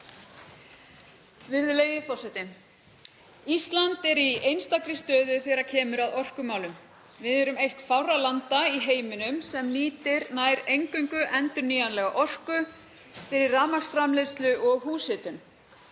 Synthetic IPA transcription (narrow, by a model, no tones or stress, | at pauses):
vɪɾðʏleːjɪfɔrsɛt̪ɪm | ist̪lant̪ɛɾiejnst̪akɾɪst̪œːðʏθɛːɾacʰɛːmʏɾaðɔr̥kʏmaːwlʏm | vɪðɛɾʏmejht̪fawɾalant̪aiɦeːjmʏnʏmsɛmliːt̪ɪɾnaːjɾejŋkʏŋkʏʔɛnt̪ʏɾniːjanlɛɣaʔɔr̥kʏ | fɪɾɪɾːaːmaksfɾamlest̪lʏʔɔɣɦuːsɪt̪ʏm